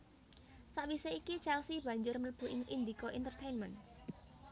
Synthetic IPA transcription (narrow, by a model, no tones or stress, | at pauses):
saʔʋiseikit͡ʃɛlsib̥a̤ɲd͡ʒʊrmələb̥ṳʔɪŋʔind̪ikoʔint̪ərt̪ejnmən